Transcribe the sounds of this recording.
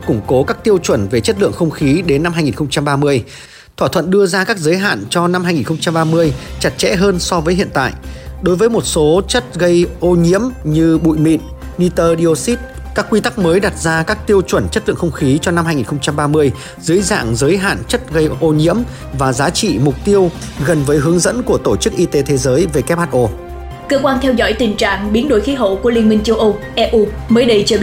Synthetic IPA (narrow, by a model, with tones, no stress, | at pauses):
kʊ˧˩ŋ͡mko˨˦kaː˦˥k̚t̪i˧əwt͡ɕwə˧˩nve˨˩t͡ɕə˦˥t̚lɨ̰˧˨əŋxə˧wŋ͡mxi˨˦ɗe˨˦nːa˧mhɦaː˧jŋi˨˩nxə˧wŋ͡mt͡ɕa˧mɓaː˧mɨ˧əj | t̪ʰwaː˧˩t̪ʰwə̰˧˨nɗɨ˧əzaː˧kaː˦˥k̚zəː˨˦jɦa̰ː˧˨nt͡ɕɔ˧na˧mhaː˧jŋi˨˩nxə˧wŋ͡mt͡ɕa˧mɓaː˧mɨ˧əjt͡ɕa˨˩t̚t͡ɕɛ̰˧˥ɦəː˧nsɔ˧vəː˨˦jɦḭ˧˨ənt̪a̰ː˧˨jɗo˨˦jvəː˨˦jmo˨˩t̚so˨˦t͡ɕə˦˥t̚ɣə˧jʔo˧ɲḭ˧˥əmɲɨ˧ɓṵ˧˨jmḭ˧˨nː | i˧t̪əː˧ɗi˧o˧si˦˥t̚ | kaː˦˥kːwi˧t̪a˦˥k̚məː˨˦jɗa˨˩t̚zaː˧kaː˦˥k̚t̪i˧əwt͡ɕwə˧˩nt͡ɕə˦˥t̚lɨ̰˧˨xə˧wŋ͡mxi˨˦t͡ɕɔ˧na˧mhaː˧ŋi˨˩nxə˧ŋ͡mt͡ɕa˧mɓaː˧mɨ˧əj | zɨ̰˨˦əjza̰ː˧˨ŋzəː˨˦jɦa̰ː˧˨nt͡ɕə˦˥t̚ɣə˧jʔo˧ɲḭ˧˥əm | vaː˨˩zaː˨˦t͡ɕḭ˧˨mʊ˨˩k͡p̚t̪i˧əw | ɣə˨˩nvəː˨˦jɦɨ˨˦əŋzə̰˧˥nku˧˩ət̪o˧˩t͡ɕɨ˦˥k̚ʔi˧t̪e˨˦t̪ʰe˨˦zəː˨˦jve˨˩kɛ˦˥p̚haː˧˩t̚ʔo˧˩ | kəː˧kwaː˧nt̪ʰɛ˧wzɔ̰˧˥jt̪ï˨˩ŋ̟t͡ɕa̰ː˧˨ŋɓi˨˦ənɗo˧˩jxi˨˦ɦo̰˧˨ku˧˩əli˧əŋmï˧ŋ̟t͡ɕə˧wʔə˧wʔɛ˧ʔu˧ | məː˨˦jɗə˧jt͡ɕəː˧